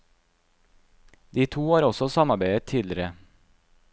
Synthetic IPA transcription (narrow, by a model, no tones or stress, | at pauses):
d̪iːt̪ʰuːhɑːɾɔsɔsɑmɑɾbæɪət̪ʰːiːlɪɾə